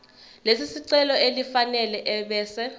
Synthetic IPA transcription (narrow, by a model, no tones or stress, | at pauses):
lesisiǀɛlɔelifanɛlɛʔɛɓɛːsɛ